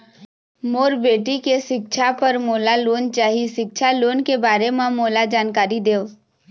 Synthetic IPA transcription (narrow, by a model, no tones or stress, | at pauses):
moːɾbeːʈikeʃɪkʃʰapəɾmoːlaloːnt͡ʃaːɦiʃɪkʃʰaloːnkebaːɾemãmoːlad͡ʒaːnkaːɾid̪eːo